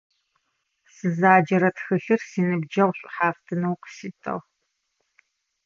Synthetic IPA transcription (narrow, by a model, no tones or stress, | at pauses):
sɨzaːd͡ʒɐɾɐtxɨɬɨrsiːnɨbd͡ʒɐʁʷɕʷʼħaːftʰɨnɐwqsiːtʰɐ̰ʁ